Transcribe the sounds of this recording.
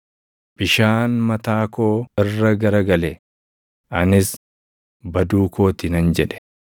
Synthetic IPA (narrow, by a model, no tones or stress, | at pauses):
b̥ɪʃaːnmɐt̪aːkoːɪrːɐɡɐɾɐɡɐlɛ | ʔɐnɪs | bɐd̪uːko̞ːt̪ɪnɐnd͡ʒɛᶑɛ̥